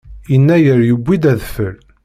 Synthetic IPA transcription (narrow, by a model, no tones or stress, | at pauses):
jənːæjəɾjəbʷːid̪æðfəl